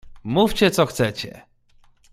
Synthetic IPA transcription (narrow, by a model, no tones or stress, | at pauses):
muft͡ɕɛt̪sɔxt̪sɛt͡ɕɛ̰